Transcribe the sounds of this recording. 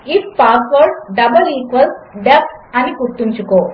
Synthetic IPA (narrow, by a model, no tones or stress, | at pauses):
ifpaːsʋɐɾɖɖɐbɐlɾiːkʋɐlsɖep̚ʈɐnikuɾt̪ːuɲt͡ʃukoː